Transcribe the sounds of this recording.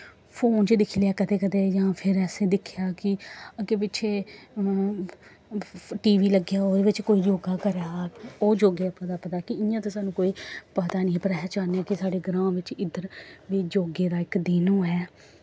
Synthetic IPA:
pʰoːnt͡ʃd̪ɪkʰlejaːkət̪eːkət̪eːd͡ʒãːpʰɪɾɛːsẽːd̪ɪkʰɪjaːkɪkepɪʃʰeː | ʈiːʋiːləɡjaːoːd̪ʋɪt͡ʃkoːiːd͡ʒoːɡaːkəɾaːoːd͡ʒoːɡepət̪aːpət̪aːkɪɪjãːt̪eːsaːnũːkoːiːpət̪aːnĩːpəɾɛːt͡ʃaːnɛːkɪsaːɖeːɡɾãːʋɪt͡ʃɪd̪əɾʋiːd͡ʒoːɡeːd̪aːɪkd̪ɪnõːɛː

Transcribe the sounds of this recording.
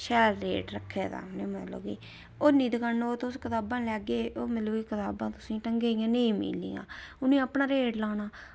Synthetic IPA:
ʃɛːlɾeːʈɾəkʰːeːd̪a̰ːneːməlo̰ːɡḭː | oːnĩːd̪ɪkʰanooːt̪ʊskət̪aːbãːlɛːɡeːʔoːmɪt̪ləbikət̪aːbãːt̪ʊsĩːʈəŋɡeːɪjãːneĩːmḭːlḭːjã̰ːʊnĩːəpnaːɾeːʈlaːnaː

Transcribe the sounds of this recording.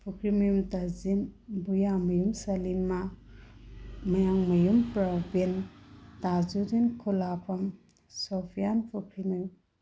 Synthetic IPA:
pʰukʰɾimɐjumtazinbujamɐjumsɐlinma | mɐjaŋmɐjumpɾɐbentazuɾinkʰulapʰɐm | sopʰijanpʰukʰɾinɐjum

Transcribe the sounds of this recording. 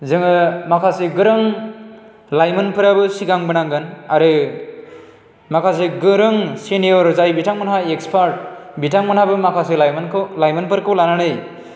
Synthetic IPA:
zɯŋɯmakʰasiɡɯɾɯŋ | lajmɯnpʰɯɾabɯsiɡaŋbɯnaŋɡɯnaɾɯ | makʰas̬eɡɯɾɯŋseniɔɾzajbitʰaŋmanaekspʰaɾt̚bitaŋmanhabɯmakʰaselajmnkʰlajmɯnpʰɯɾkʰɯwlananɯj

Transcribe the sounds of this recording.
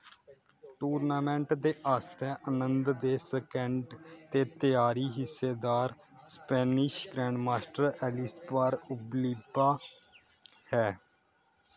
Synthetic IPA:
ʈuːɾnaːmɛ̃ːɳʈd̪eːʔaːst̪ɛːʔənənd̪d̪eːsəkɛ̃ɳɖt̪eːt̪ɪjaːɾiːɦɪsːeːd̪aːɾ | spɛːnɪʃɡɾɛːɳɖmaːsʈəɾɛːlɪspaːɾʊbliːbaː | hɛː

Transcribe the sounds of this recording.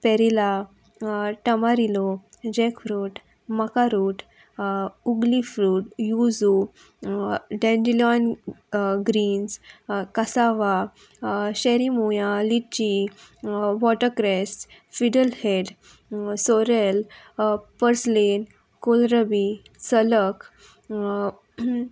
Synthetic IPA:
pɛɾila | ʈəmaɾilo | d͡ʑɛkfɾuːʈ | məkaɾuːʈ | uɡlifɾuːʈjud͡zu | ɖɛ̃nd͡ʑilɔn | ɡɾiːnskəsaʋa | ɕɛɾimujalit͡ɕi | ʋɔʈəkɾɛs | fiɖəlheɖ | soɾel | pəɾslen | kolɾəbi | sələk

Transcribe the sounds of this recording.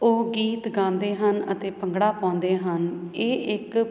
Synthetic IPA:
oːɡiːt̪ɡãːnd̪eːɦənə̰t̪eːpəŋɡɽaːpãːnd̪eːɦəneːʔɪk

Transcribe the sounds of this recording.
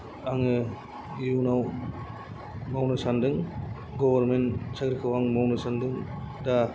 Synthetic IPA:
aŋɯ | unaw | mawnɯsandɯŋ | ɡɔwɐɾmensaɡɾikʰɯwaŋmɔwnɯsandɯŋ | da

